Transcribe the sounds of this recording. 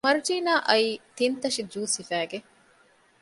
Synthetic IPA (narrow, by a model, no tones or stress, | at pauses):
mɐɾud͡ʒiːnaːʔɐiːt̪int̪ɐʃid͡ʒuːsifæːɡe